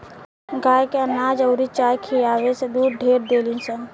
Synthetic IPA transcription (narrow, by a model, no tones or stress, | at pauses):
ɡaːjkeənaːd͡ʒɐʊɾit͡ʃaːjkʰijaːʋesed̪uːɾɖʱeːɾd̪eːlĩnsən